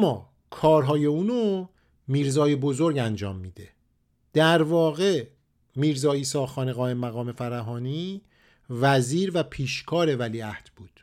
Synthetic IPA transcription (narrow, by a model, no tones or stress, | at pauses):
mɒ̰ː | kʰɒːɾɦɒːje̞uːno | miːɾzɒːje̞bo̞zo̞ɾɟænd͡ʒɒ̰ːmːiːd̪e̞ | d̪̥æɾvɒːɣe | miːɾzɒːiːsɒːxɒːneɣɒːemːæɣɒːme̞fæɾæɦɒːniː | væziːɾvæpʰiːʃkʰɒːɾe̞væliːæhd̪̥b̥uːd̪̥